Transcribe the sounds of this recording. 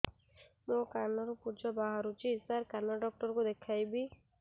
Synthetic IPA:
mokanɔɾupud͡ʒɔbaɦaɾut͡ʃʰisaɾkanɔɖɔk̚ʈɔɾkud̪ekʰajbi

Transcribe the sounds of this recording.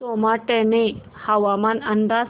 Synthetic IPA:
omaʈɛne | haʋamanɐnd̪a

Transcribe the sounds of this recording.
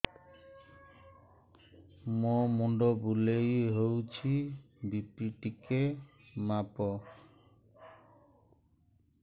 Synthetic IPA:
momuɳɖɔbulejɦowt͡ʃʰibipiʈike | mapɔ

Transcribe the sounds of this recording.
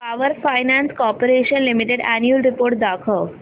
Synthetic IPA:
aʋəɾfajnanskɔɾpoɾeɕənlimiʈeɖænjəlɾipoɾʈ̚d̪akʰəʋ

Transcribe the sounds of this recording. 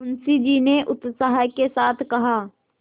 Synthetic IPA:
ʊnsid͡ʒiːneʔʊt̪saɦakesaːt̪ʰkɐɦaː

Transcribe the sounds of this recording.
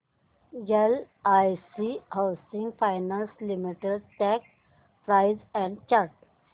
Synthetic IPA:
jel | ajsihawsĩŋɡfajnanslimiʈeɖʈɛk | pɾaɪzɛ̃ɳɖt͡ɕaɾʈ̚

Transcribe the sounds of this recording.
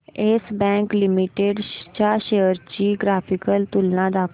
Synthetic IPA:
eːsbɛ̃ːŋklɪmiʈeːɖt͡ʃaːʃejəɾt͡ʃiːɡɾaːpʰɪkəlt̪ʊlnãd̪aːk

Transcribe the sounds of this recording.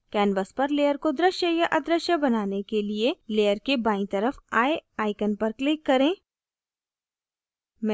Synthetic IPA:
kɛːnbəspɐɾleːjəɾkod̪ɾəʃjəjɐʔɐd̪ɾəʃjəbɐnaːnekelieleːjəɾkebaːĩt̪ɐɾəfaːeaːɪkənpɐɾklɪkːɐɾẽː | m

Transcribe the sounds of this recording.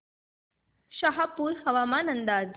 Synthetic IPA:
ɕaɦapuːɾɦəʋamanənd̪ad͡z

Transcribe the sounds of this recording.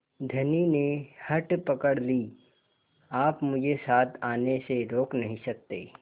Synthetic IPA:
d̪ʱɐninehɐʈpɐkəɽliː | aːpmʊd͡ʒʱesaːt̪ʰaːneseɾoːknɐɦĩsɐk̚t̪ḛː

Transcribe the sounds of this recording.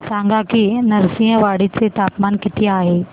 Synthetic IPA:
sãːŋɡakinɐɾsĩːə̃ʋaːɽɪt̪ʰet̪aːpmaːnkɪt̪ʰiaːɦeː

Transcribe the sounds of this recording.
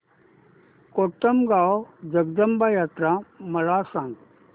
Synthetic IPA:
koːʈəmɡaːod͡ʒɐɡd̪əmbaːjaːt̪ɾamɐɭaːsãːŋɡ

